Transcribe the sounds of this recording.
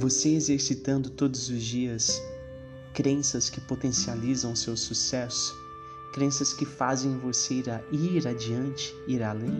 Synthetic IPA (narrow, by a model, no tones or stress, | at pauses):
voseezeɾsit̪ɐ̃nd̪ʊt̪od̪ʊzʊzd͡ʒiɐs | kɾẽsɐskɪpot̪ẽsializɐ̃w̃ʊsewsusɛsʊ̥ | kɾẽsɐskɪfazẽj̃voseiɾaiɾad͡ʒiɐ̃nt͡ʃɪ̥iɾalẽ